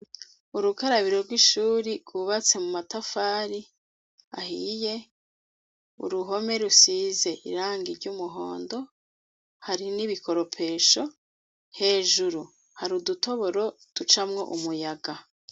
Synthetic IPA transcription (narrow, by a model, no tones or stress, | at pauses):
uɾukaɾaβiɾo̞ɾɡwiʃuːɾiɡwuβat͡se̞mumatafaːɾi | a̰hije̞ | ṵɾuɦo̞me̞ɾusize̞ʔḭɾaːŋɡiɾɟuːmuɦo̰ːndo̞ | haɾiniβikʰo̞ɾo̞pʰe̞ːʃo̞ | he̞ːʒuɾu | haɾuduto̞βo̞ɾo̞tut͡ʃamŋo̞̰ʔumujaɡa